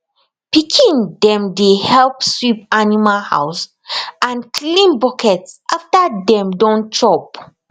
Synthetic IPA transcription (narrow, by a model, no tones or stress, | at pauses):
pikʰĩndɛ̃mdehɛlpswipanimalha̰ws | ʔãnkʰlĩnbɔkʰɛtsʔaftadɛ̃mdɔ̃ntʰɹɔp